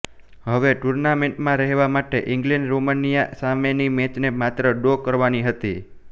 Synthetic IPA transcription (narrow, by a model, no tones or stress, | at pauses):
ɦəʋeʈuɾnamẽɳʈmãɾɛɦʋamaʈeʔɪŋɡlɛ̃ɳɖɾomənijasamenimet͡ʃnemat̪ɾəɖokəɾʋaniɦət̪i